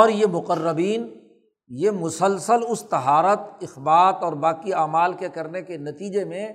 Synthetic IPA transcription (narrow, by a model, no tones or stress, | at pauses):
ɔːɾjemʊqərːəbiːn | jemʊsəlsəlʊst̪ɐɦaːɾət̪ɪxbaːt̪ɔːɾbaːkiaːmaːlkekɐɾnekenɐt̪iːd͡ʒemẽ